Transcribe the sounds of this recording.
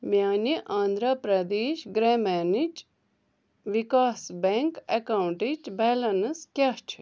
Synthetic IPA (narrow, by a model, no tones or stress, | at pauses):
mjaːniʔaːnd̪ʱɾapɾɐd̪eːʃɡɾɛːmɛːnit͡ʃ | ʋikaːsbeŋkekaːwuɳʈit͡ʃbɛːlɐnskʲat͡ʃʰ